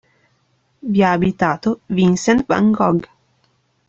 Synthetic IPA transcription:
vjaːbit̪aːt̪ovinsɛnt̪va̰ŋɡɔɡ

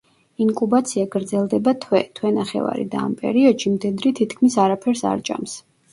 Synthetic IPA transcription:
iŋkʼubat̪sʰiaɡɾd̪zɛlˠd̪ɛbat̪ʰwɛt̪ʰwɛnaχɛ̰va̰ɾḭd̪aːmpʼɛ̰ɾiɔd̪̥ʃimd̪ɛd̪ɾit̪ʰit̪kʰmisaɾapʰɛɾsa̰ɾt͡ʃʼa̰ms

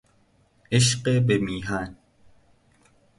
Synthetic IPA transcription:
eʃqebemiːɦaːn

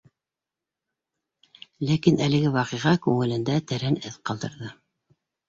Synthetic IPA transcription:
lækinælɘ̆ɡɘwɑqiʁɑkʉŋɘ̆lɘ̆nd̪æt̪æɾænɘθqɑlˠd̪ɤ̆ɾðɤ

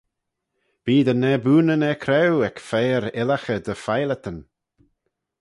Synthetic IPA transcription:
b̥iːd̪ənɛbuːnənɛkʰɾɛwɛkfɛːɾɪlaxəd̪əfajlət̪ən

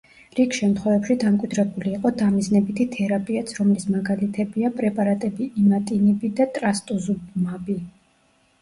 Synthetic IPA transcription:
ɾikʰʃɛmt̪ʰχwɛvɛbʃid̪amkʼwid̪ɾɛbuliːqʼɔd̪amiznɛbit̪ʰit̪ʰɛɾapʼiat̪sʰɾɔmlismaɡalit̪ʰɛbiapʼɾɛpʼaɾat̪ʼɛbiimat̪ʼinɛbid̪at̪ʼɾast̪ʼuzubmabi

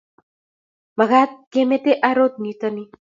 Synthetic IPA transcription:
maɣat̪̚kemet̪eʔaɾot̪̚nit̪əni

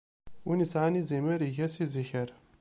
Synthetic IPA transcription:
unisʕaniziməɾiʝæsiziçəɾ

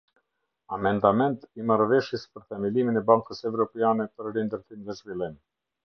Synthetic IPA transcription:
amɛnd̪amɛnt̪imaɾvɛʃjɛspəɾθɛmiliminɛbaŋkəsɛvɾɔpɛjanɛpəɾɾind̪əɾθimðɛzvilˠin

